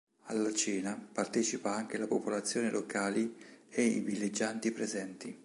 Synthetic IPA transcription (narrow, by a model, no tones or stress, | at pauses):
alːat͡ʃiːnapart̪ɛːt͡ʃipaaŋk̟elapopolat̪sːjoːnelʔokaːlieḭvilːed͡ʒːant̪ipɾezɛnt̪i